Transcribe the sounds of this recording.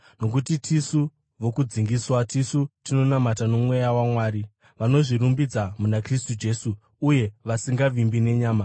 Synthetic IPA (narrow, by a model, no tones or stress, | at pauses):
no̞k̬utitʰisu | ʋo̞kud͡ziŋɡiswatisutino̞namatano̞mwe̞jawamwaːɾi | ʋano̞ʐiɾumbid͡zamunakristud͡ʒe̞ːsuː | je̞ʋasiŋɡaʋimbine̞ɲaːma